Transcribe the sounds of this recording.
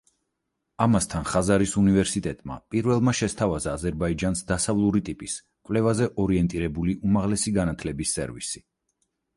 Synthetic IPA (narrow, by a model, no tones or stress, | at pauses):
amast̪ʰanχazaɾisunivɛɾsit̪ʼɛt̪ʼma̰pʼiɾvɛlˠmaʃɛst̪ʰavazaːzɛɾbaid͡ʒansd̪asavlˠuɾit̪ʼipʼis | kʼvlɛvazɛʔɔɾiɛnt̪ʼiɾɛbuliʔumaʁlɛsiɡanat̪ʰlɛbisːɛ̰ɾvḭsi